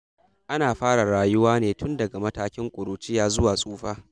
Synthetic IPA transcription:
ʔa˦naː˨ɸaː˦ɽa˨ɽaː˨jʊ˦waː˦neː˨tʊ˦ndɐ˨ɡa˨mɐ˦taː˦kʲɪ˦ŋkʷʼʊ˨ɽuː˨t͡ʃiː˦jaː˦zʊ˦waː˨sʼuː˦ɸaː˦

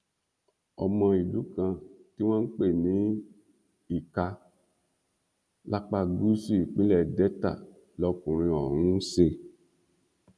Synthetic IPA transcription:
ɔ˧mã˧i˨lu˨˦kã˧ti˦w̃ã˦n̩˦k͡pe˦˨nĩ˨˦ | i˦˨ka˧ | la˦k͡pa˧ɡu˦si˦i˨k͡pĩ˦lɛ˦˨dɛ˨˦ta̰˦˨ | lɔ˧kũ˨ɾ̃ĩ˧ɔ˨ɾ̃ũ˨˦se˧

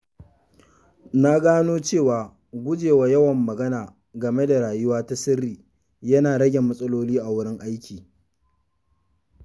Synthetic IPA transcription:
na˦ɡaː˦noː˦t͡ʃeː˦˨waː˨ | ɡʷʊ˦d͡ʒeː˨wa˨jɐ˦wɐ˨mːɐ˨ɡɐ˦naː˨ | ɡɐ˨me˦da˨ɽaː˨jʊ˦waː˦ta˦sɪ˦rːiː˨ | jɐ˦naː˨ɽɐ˦ɡʲe˨mːɐ˦sʼɐ˦loː˦liː˦ʔa˨wʊ˦ɽɪ˦ŋʔa˦jkʲiː˨

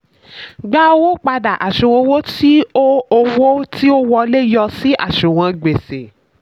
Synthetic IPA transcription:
ɡ͡ba˦o˧wo˦k͡pa˧da˨ʔa˨ʃũ˨wõ˧wo˦ti˦o˦o˧wo˦ti˦o˦wɔ˧le˦jɔ˧si˦a̰˦˨ʃũ˨w̃ɔ̃˧ɡ͡be˨se˨

